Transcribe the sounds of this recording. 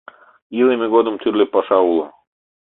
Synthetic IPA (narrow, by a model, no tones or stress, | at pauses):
ilˠemʲeɡod̪əmt̪ʰyrlʲepɑʃɑulˠə